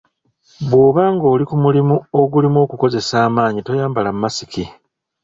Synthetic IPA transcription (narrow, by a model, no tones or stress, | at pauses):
βwo̞ːβaːŋɡo̞ːlikumulimuo̞ɡulimo̞ːkuko̞ze̞saːmaːɲito̞jaːmbalammːasiki